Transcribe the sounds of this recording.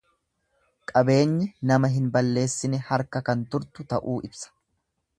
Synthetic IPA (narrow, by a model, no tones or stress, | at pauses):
kʼɐbe̞ːɲːɪnɐmɐɦɪnbɐlːe̞ːsːɪnɛhɐɾkɐkɐnt̪ʊɾt̪ʊt̪ɐʔuːʔɪbsɐ̥